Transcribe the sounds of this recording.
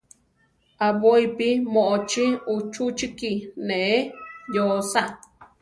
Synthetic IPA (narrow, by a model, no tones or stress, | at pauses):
aβoipimoʔot͡ʃiut͡ʃut͡ʃikineejosa